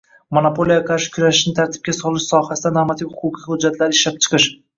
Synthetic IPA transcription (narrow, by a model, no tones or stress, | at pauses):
monapo̞lijakʰaɾʃɪ̥kʰʲʊɾaʃɪʃnɪt̪ʰaɾt̪ʰɪ̥b̚kʲasɒlɪʃsɒhasɪd̪anamat̪ʰiphʊqʰʊqʰihʊd͡ʒːat̪ʰlaɾɪɪʃlap̚t͡ʃʰɨ̥qʰɨʃ